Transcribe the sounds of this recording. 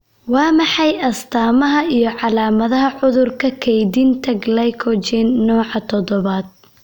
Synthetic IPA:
wɑːmɑħɑjɐst̪ʰaːmɐɦɐijɞʕɑlaːmɐðɐɦɐʕʊðʊrkʰɐkʰɛjd̪ɪnt̪ʰɐɡlɐjkʰɔt͡ʃɛnːɔːʕɑt̪ʰɔðɔβaːd̪̥̚

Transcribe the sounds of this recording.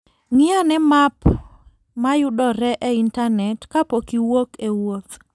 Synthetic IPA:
ŋɪanɛmap | majʊdɔɾɛʔɛintanɛtkapokiwokewot̪

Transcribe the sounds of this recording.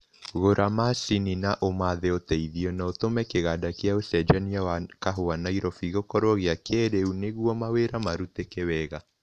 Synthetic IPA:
ɣoɾʔamasininaʔomaðeotɛiðiɔnaotomɛkeɣadakjaosɛd͡ʒaniawakaɦoanaiɾɔfiɣokɔɾwɔɣeakeɾeuneɣwɔmaweɾamaɾutekewɛɣa

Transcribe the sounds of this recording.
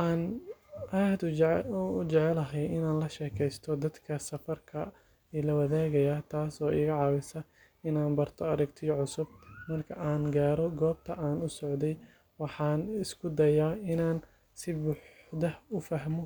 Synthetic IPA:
ʔaːnʔaːd̪ | ʊd͡ʒɛʕɛlɐɦɛjɪnaːnlɐʃɛːkʰɛjst̪ʰɔd̪ɐd̪kʰɐsɐfɐrkʰɐ | ɛlɐwɐðɛːɣɐjaːt̪ʰaːsɔːʔɪɣɐʕɑːwɪsɐ | ɪnaːnbɐrt̪ʰɔɐɾɐɡt̪ʰɪjɔʕʊsʊb̚mɐrkʰɐʔaːnɡaːɾɔɡɔːb̚t̪ʰɐʔaːnʊsɔʕd̪ɛj | wɑħɑːnɪskʰʊd̪ɐjaːɪnaːn | sɪbʊːħd̪ɐhʊfɐɦmɔ

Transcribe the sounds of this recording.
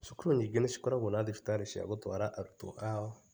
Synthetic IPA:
sukuɾoɲiɡineʃi̥koɾaɣunadifi̥t̪aɾeʃia̰ɡot̪aɾaʔaɾut̪o̰ʔawɔ

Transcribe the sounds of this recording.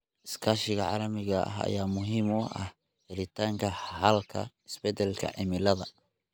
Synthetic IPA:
ɪskʰaːʃɪɣɐʕɑ̰ːlɐmɪɣɐʔɐ̰ɦɐ̰jaːmʊɦiːmʊʔɐh | hɪɾɪt̪ʰaːŋkʰɐhɐlkʰɐ̰ɪsbɛd̪ɛlkʰɐ̰ʕɪmɪlɐðɐ

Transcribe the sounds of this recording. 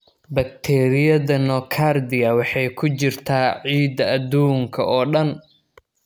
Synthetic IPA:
bɐk̚t̪ʰɛːɾɪjɐðɐnɔkʰard̪ɪɐwɑħɑjkʰʊt͡ʃɪrt̪ʰaːʕiːd̪ɐɐd̪uːŋkʰɐʔɔːɖɐn

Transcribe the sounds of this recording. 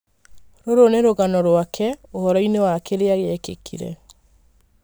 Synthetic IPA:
ɾoɾoneɾoɣanɔɾwakʰɛohɔɾɔinewakeɾeaɣeɛkḛkʰḭɾɛ̰

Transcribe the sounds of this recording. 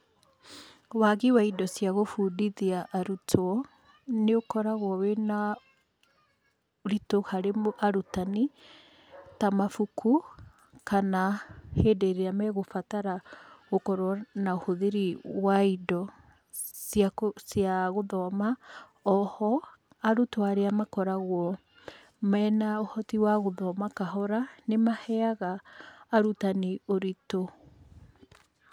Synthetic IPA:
waɣiwaidɔsjaɣofuːdiðiaʔːɾutʰɔ | neokɔɾaɣwɔwena | ɾitohaɾemʔaɾutani | tamafukʰu | kanaheːdeɾeamɛɣofataɾaɣokɔɾoanaohoðeɾiwaidɔ | sjasjaɣoðɔma | ɔhɔ | aɾutwaɾeamakɔɾaɣwɔ | mɛːnaohɔtiwaɣoðɔmakaɦɔɾanemahɛaɣaːɾutanioɾito

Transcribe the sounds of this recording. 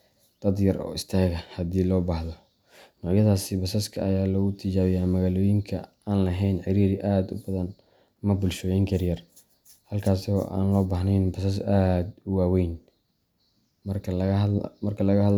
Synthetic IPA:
d̪̥ɐd̪jɐrɔ̰ːɪst̪ʰaːɣɐhɐd̪iːlɔːbɐħðɔ | nɔʕjɐðaːsɪbɐsɐskʰɐɐjaːlɔːɣʊt̪ʰɪt͡ʃaːβɪjaːmɐɣaːlɔːjɪŋkʰɐ̰ | aːnlɐɦɛjnʕɪɾiːɾɪʔaːd̪ʊ̰bɐðɐn | ɐmɐbʊlʃɔːjɛŋkʰɐrjɐr | hɐlkʰaːsɔ̰ːʔa̰ːnlɔːbɐħnɛjnbɐsɐs̬aːd̪ʊwaːwɛjn | mɐrkʰɐlɐɣɐhɐd̪

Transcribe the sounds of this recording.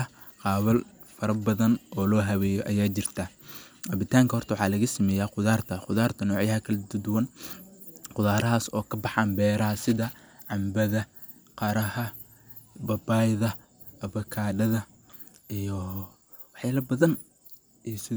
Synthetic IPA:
ɐ | qɑːβɐl | fɐɾɐbɐðɐnɔːlɔːɦɐβɛːjɔʔɐjaːt͡ʃɪrt̪ʰɐɐbɪt̪ʰaːŋkɐhɔrt̪ʰɐwɑħɑːlɐɣɐsɐmɛːjaːqʊðaːrt̪ʰɐqʊðaːrt̪ʰɐnɔːʕjɐɦɐkʰɐlɛd̪ʊd̪ʊwɐn | qʊðaːɾɐɦaːsɔ̰ːkʰɐbɑħɑːnbɛːɾɐɦɐsɪðɐ | ʕɑmbɐðɐ | qɑɾɐhɐ | bɐbaːjðɐ | ɐβɐkʰaːɖɐðɐ | ʔijɔ | wɑħjaːlɐbɐðɐn | ijsɪ

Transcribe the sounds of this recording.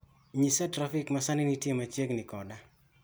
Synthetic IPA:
ɲisɛtɾafɪkmasanɪnitjemat͡ʃeɡnɪkɔda

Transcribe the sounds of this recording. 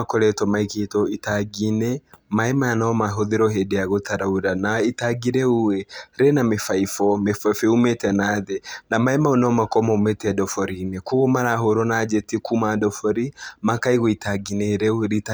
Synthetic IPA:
akɔɾɛtɔmaiketɔitaɡinɛmaɛmanaɔmaɦoðeɾɔɦedeaɣotʰaɾauɾanaitaɡiɾɛuwɛɾenamefaifɔmefeumetɛnaðɛnamaɛmaonaɔmakɔmaumetɛdɔfɔɾinekuɣomaɾaɦoɾɔnad͡ʒɛtikumadɔfɔɾimakaiɣɔitaɡineɾɛɾita

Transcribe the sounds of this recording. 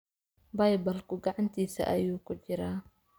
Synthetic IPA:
bɐjbɐlkʰʊɡɑʕɑnt̪ʰiːsɐ̰ʔɐjuːkʰʊt͡ʃɪɾaː

